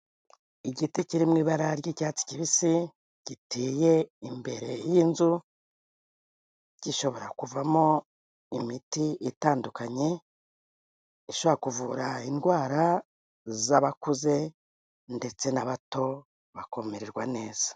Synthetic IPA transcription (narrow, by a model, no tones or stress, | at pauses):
iɟiticiɾimŋiːβaɾaɾɟicaːt͡si̥ciβisi | ɟ̥itiːje̞imbe̞ɾe̞jinzu | ɟ̥iʃo̞βo̞ɾakuvamo | imitiʔitaːndukaɲe̞ | iʃoβoɾakuvuɾainɡwaːɾa | zaβakuze̞ | nde̞t͡se̞naβato̞ | βakomeɾeɾɡwane̞ːz̥a